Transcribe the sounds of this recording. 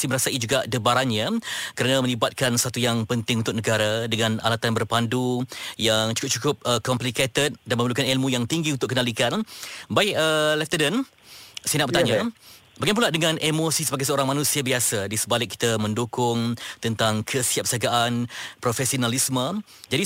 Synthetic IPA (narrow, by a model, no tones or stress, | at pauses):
siməɾasaid͡ʒuɡadəbaɾanɲakəɾanãmə̃libat̪̚kansəat̪ujaŋpənt̪ɪŋunt̪ʊk̚nəɡaɾadəŋãna̰lat̪anbərpandujaŋt͡ʃu̥kʊp̚t͡ʃukʊp̚əkɔmpliket̪ət̪̚danmə̃məlukanilmujaŋt̪iŋɡiunt̪ʊkənalikanbaɪkəlɛft̪ədən | sinaʔbət̪aɲabaɡap̬uladəŋãnʔemosisəbaɡajsəoɾaŋmanũsiabiasadisəbalɪkːi̥t̪əmə̃ndokʊŋt̪ənt̪aŋkʰəsiap̚saɡaʔanpɾofɛsionalismə | d͡ʒadi